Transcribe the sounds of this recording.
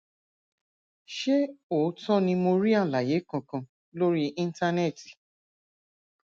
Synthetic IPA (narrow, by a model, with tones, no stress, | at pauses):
ʃe˦o˨˦tɔ˦nĩ˧mo˧ɾi˦a˦˨la˨je˨˦kɔ̃˧kã˧ | lo˦ɾi˦ʔĩ˦n̩˦ta˧nɛ˦˨ti˨